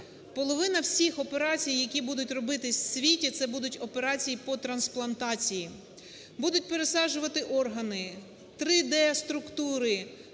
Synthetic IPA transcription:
pɔlˠɔʋɪnɐwsʲixɔpe̞ɾɑt͡sʲijːɐkʲibud̪ʊtʲrɔbɪt̪ɪsʲsʲʋʲitʲit̪sɛbud̪ʊtʲɔpe̞ɾɑt͡sʲijipɔt̪ɾɐnsplˠɐnt̪ɑt͡sʲiji | bud̪ʊt̚ʲpeɾesɑʒʊʋɐt̪ɪʔɔrɦɐnɪ | t̪ɾɪd̪ɛɐst̪ɾʊkt̪uɾɪ

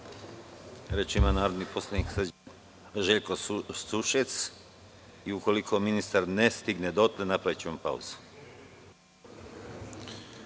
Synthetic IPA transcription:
ɾet͡ʃimanaːɾod̪nipo̞slˠaniks | ʒeʎkosuʃet̪s | iuko̞likʰo̞minist̪aɾnest̪iɡned̪ot̪lenapɾaʋit͡ɕeompa̰ṵz̥u̥

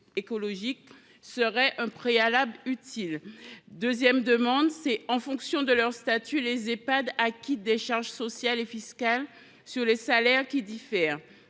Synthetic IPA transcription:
ekɔlɔʒik | səʁɛʔɛ̃pχealablyt̪ʰild̪øzjɛmd̪əmɑ̃d̪sɛɑ̃fɔ̃ksjɔ̃d̪əlœʁst̪at̪ʰylezepad̪akʲit̪̚d̪eʃaʁʒsɔsjalefiskal | syʁlesalɛʁkʲid̪ifɛːʁ

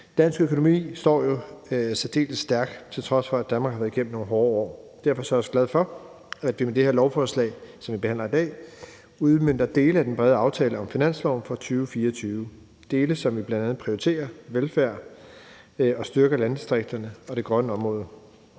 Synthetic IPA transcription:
d̥ænsɡ̥økʰo̝no̝mḭːsd̥ɒ̰ːjo̝sæd̥e̝̰ːlsːd̥æɐɡ̥t͡sʰe̝lt͡sʰʁɒ̽sfɒ̽æd̥ænmɑ̈ɡhɑʋæɐð̩ˠɡ̥em̰mn̩no̝ːn̩ɦɒːɒ̰ːd̥æɐfɒ̽sɒ̽æɐɒsɡ̥læð̞ˠfɒ̽ | æd̥ʋimed̥e̝heɐlɒʊfɒːslɛ̰ɪsɒ̽mʋib̥ehæn̰lɐid̥ɛ̰ː | uð̞ˠmøn̰d̥ɐd̥e̝ːləæd̥enb̥ʁɛð̞ˠɑ̈ʊt͡sʰɛːləɒ̽mfinæn̰slɒʊ̰nfɒ̽t͡sʰyːʊəfiːɐɒt͡sʰyːʊ | d̥e̝ːləsɒ̽mʋib̥lænd̥ænð̩ˠpʰʁioit͡sʰe̝̰ːɐʋelfæɐ̰ | ɒ̽sd̥ɶɐɡ̥ɐlænd̥isd̥ʁeɡ̥̚d̥ɐnəɒ̽ɾ̥e̝ɡ̥ʁɶnəɒ̽mʁɔ̽ːðˠə

